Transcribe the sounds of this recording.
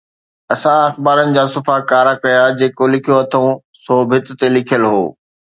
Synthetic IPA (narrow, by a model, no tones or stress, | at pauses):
ɐsãɐxbaːɾənɪ̆d͡ʑaːsʊfakaːɾakɐjad͡ʑeːkolɪkʰijoɐt̪ʰõ | soːbʱɪt̪t̪elɪkʰijəlɦo̰ː